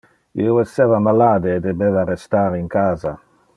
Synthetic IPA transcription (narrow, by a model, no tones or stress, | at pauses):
ḭoesːɛːvamalaːd̪eːd̪ebeːvarest̪aːɾiŋkaːza̰